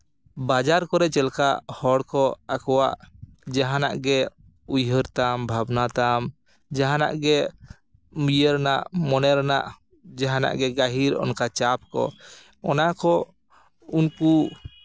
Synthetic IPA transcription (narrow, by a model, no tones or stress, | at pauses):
bad͡ʒaɾkɔɾɛt͡ʃɛlkahɔɽkɔakɔwa̰ʔ | d͡ʒaɦana̰ʔɡɛ | ujɦəɾt̪ambʱabnat̪am | d͡ʒaɦana̰ʔɡɛ | mijəɾnaʔmɔnɛɾna̰ʔ | d͡ʒaɦana̰ʔɡɛɡaɦiɾɔ̰nkat͡ʃap̚kɔ̰ | ɔnakɔ | unku